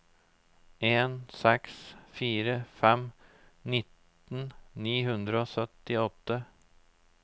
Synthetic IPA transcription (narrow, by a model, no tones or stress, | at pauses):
eːnsɛksfiːɾəfɛm | nɪt̪ | n̩niːɦʉnd̪ɾəoːsœt̪ɪɔt̪ːə